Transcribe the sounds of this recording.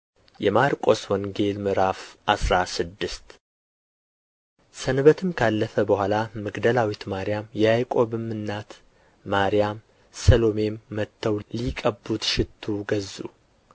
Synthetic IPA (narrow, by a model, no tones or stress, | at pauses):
jɛmaɾkʼo̞swɔŋɡe̞lmɨɾafʔasɾasɨd̪ːɨst̪ | sənβət̪ʰɨmkʰalːəfəbəhʷalamɨɡd̪əlawit̪maɾijamjɛajkʼo̞bɨmːɨnːat̪ | maɾijam | səlo̞me̞mːət̪ʰːəwlikʼəbːut̪ʃɪt̪ʰːuɡəzːṵ